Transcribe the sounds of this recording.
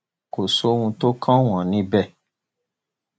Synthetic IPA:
ko˨so˨˦wũ˧to˦kʰã˦w̃ɔ̃˨nĩ˧˦bɛ˦˨

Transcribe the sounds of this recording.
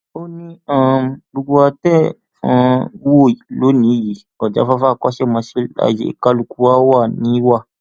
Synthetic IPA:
o˦nĩ˦ã˦˨bo˧ɡo˧a˧tɛ˦ | fã̰˧˦wo˦˨lo˨˦nĩ˨˦ji˨˦ | ɔ˨d͡ʒa̰˨˦fa˦fa˦˨kɔ˦ʃe˦˨mã˧si˦la̰˨jḛ˨ka˧lu˨ku˧˦wa˦wa˦˨nĩ˨˦wa˦˨

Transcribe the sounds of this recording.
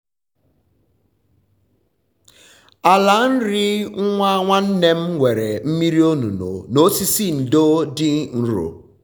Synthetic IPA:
a˨la˨˦n̩˦ɾi˦ŋ̩˦ŋʷa˦a˦ŋʷa˦n̩˦ne˦m̩˦wʷe˨ɾe˨m̩˦mi˦ɾi˦o˦nu˨no̰˨no˦si˦si˦˨n̩˨do˦dɪ˦n̩˦ɾo̰˨

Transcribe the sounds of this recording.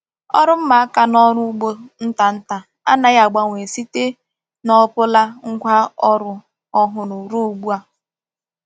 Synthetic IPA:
ɔ̰˦ɾʊ˦m̩˦ma˨a˦ka˨nɔ˦ɾʊ˦ɡ͡bo˦n̩˦ta˨n̩˦ta˨ | a̰˦na˦ja˨ɡ͡ba˦ŋʷ˨e˨si˦te˦ | nɔ˦pʊ˦la˦ŋ̩˦ɡʷa˦ɔ˦ɾʊ˦ | ɔ˦ɦʊ˨nʊ˨ɾu˦u˨ɡ͡bu˦a˦

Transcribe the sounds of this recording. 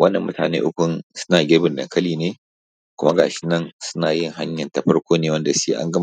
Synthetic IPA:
wɐ˦nːɐ˨mːʔʊ̰˦ta̰ː˨nḛː˦ʔʊ˦kʷʊ˦nsʊ̥˦naː˨ɡʲeː˦bɪ˨ndɐ̰˨ŋkɐ˦liː˨neː˦ | kʷʊ˦ma˦ɡa̰ː˨ʃɪ̥˦nɐ˦˨nsʊ̥˦naː˨jɪ˦˨ŋha˦ɲjɐ˨ntɐ˨ɸɐ˦ɽkʷoː˦neː˦˨wɐ˦nda˨siː˦ʔa̰˦ŋɡɐ˦m˨

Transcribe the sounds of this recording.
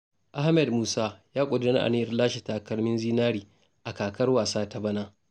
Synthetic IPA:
ʔa˦hmɛ˨dmuː˦saː˦jaː˦kʷʼʊ˨dɐ˦nɐ˦ʔa̰˨nɪ˦jɐ˨rlaː˦ʃe˨ta˨kɐ˦rmɪ˦nziː˦naː˦ɾiː˨ | ʔa˨kaː˨kɐ˦rwaː˨saː˦ta˦bɐ˦naː˦

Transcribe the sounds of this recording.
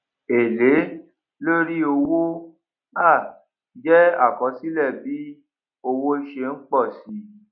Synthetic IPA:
e˨le˨˦ | lo˦ɾi˦o˧wo˦ | a˦˨ | d͡ʒɛ˦a̰˦˨kɔ˨˧˦si˦lɛ˦˨bi˨˦ | o˧wo˦i˧ʃe˧n̩˦k͡pɔ˦˨si˨˦

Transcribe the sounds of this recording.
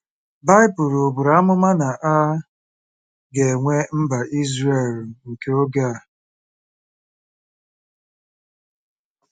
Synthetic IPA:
ba˦ɪ˦pʊ˨ɾo˨bʊ˨ɾa˦a˦mʊ˦ma˦na˨ʔa˦ | ɡe˨ŋʷe˦m̩˦ba˨ʔi˦zɾe˨lŋ̩˨ke˨˦o˦ɡa˦˨

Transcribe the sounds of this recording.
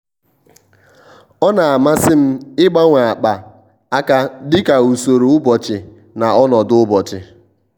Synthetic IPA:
ɔ˦na˨a˨ma˦sɪ˦m̩˦ɪ˦ɡ͡ba˦ŋʷa˨a˨k͡pa˨ | a˦ka˦dɪ˦ka˨u˨so˨ɾo˨ʊ˦bɔ˨t͡ʃɪ˨ | na˨ɔ˦nɔ˨dʊ˦bɔ˨t͡ʃɪ˨

